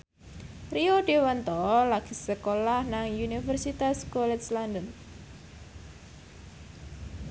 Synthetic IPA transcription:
rioɖewant̪ɔlaɡ̥isəkolahnaŋjunifərsit̪askɔlɛt̪slandən

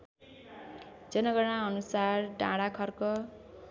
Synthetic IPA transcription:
d͡zʌnʌɡʌɽ̃ãʌnusarɖã̰ɽakʰʌrkʌ

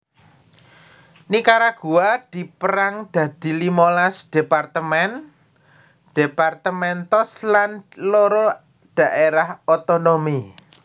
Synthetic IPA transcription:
nikaɾaɡ̥uwad̪̥i̤pəɾaŋd̪̥ä̤d̪̥i̤limolasd̪̥e̤part̪əmɛn | d̪̥epart̪əmɛnt̪ɔslanloɾɔ | d̪̥a̤ʔeɾahot̪onomi

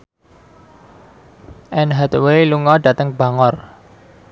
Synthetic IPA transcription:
ʔɛnɦat̪weluŋɔɖ̥ä̤t̪əŋb̥ä̤ŋɔr

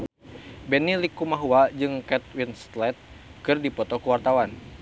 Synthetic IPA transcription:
bɛnilikumaɦuad͡ʒɨŋkɛt̪̚winst̪lɛt̪̚kɨrdipɔt̪ɔkuwart̪awan

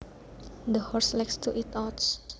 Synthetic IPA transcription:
d̪əhɔɹslɛkst̪uʔit̪ɔts

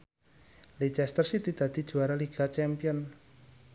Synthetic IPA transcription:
lid͡ʒɛst̪ərsit̪id̪̥ä̤d̪̥i̤̥d͡ʒ̥uaɾaliɡ̥at͡ʃɛmpiɔn

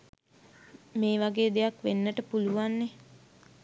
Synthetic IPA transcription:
meːʋaɡeːd̪ejakʋenːəʈəpuluʋanːe

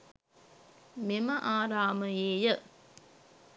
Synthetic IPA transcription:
meməʔaːɾaːməjeːjə

